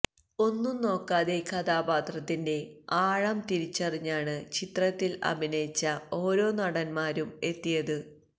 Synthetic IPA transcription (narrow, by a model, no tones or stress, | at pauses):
o̞nːuno̞ːkːaːðe̞kʰɐd̪aːbaːt̪rɐt̪ːinde̞aːɻɐmt̪iɾit͡ɕːɐriɲːaːɳɨt͡ɕit̪rɐt̪ːilɐ̰bʱinɐjit͡ɕːɐo̞ːɾo̞ːnɐɽɐnmaːɾume̞t̪ːijɐðɨ